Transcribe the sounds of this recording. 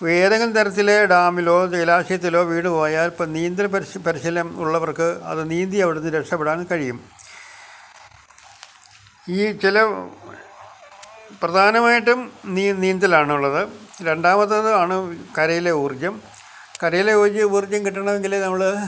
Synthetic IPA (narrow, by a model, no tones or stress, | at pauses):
ʋeːðɐŋɡɐlt̪ɐɾɐt̪ːile̞ɖaːmilo̞ːt͡ɕɐlaːɕɐjɐt̪̬ːilo̞ːʋiːɳɖɨkoːjaːlpɐniːnd̪ɐlpɐpɐɾiɕɐlɐmuɭːɐʋɐrkɨɐ̰ðɨniːnd̪iɐʋiɽunːɨɾeʂɐpːeɽaːnkɐɻijum | iːt͡ɕilɐ | prɐd̪ʱaːnɐmaːjiʈːumniniːnd̪ɐlaːɳuɭːɐðɨɾe̞ɳɖaːmɐt̪ːɐðɨaːɳɨkɐɾɐjile̞uːrd͡ʑɐm | kɐɾɐjile̞uːrd͡ʑːɨuːrd͡ʑːɐmkiʈːɐɳɐʋe̞ŋɡilnɐmːɐɭɨ